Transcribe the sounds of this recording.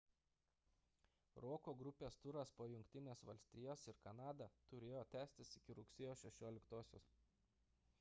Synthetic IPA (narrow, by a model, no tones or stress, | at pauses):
ɾoːkoːɡɾʊpʲeːst̪ʊɾɐspoːjʊŋʲkt̪ʲɪnʲeːsʋɐlʲsʲt̪ʲɪjɛːsɪɾkɐnɑːd̪ɐt̪ʊɾʲeːjoːt̪ʲæːsʲt̪ʲɪsɪkʲɪɾʊksʲeːjoːsʲʃʲɛʃʲoːlʲɪkt̪oːsʲo̰ːs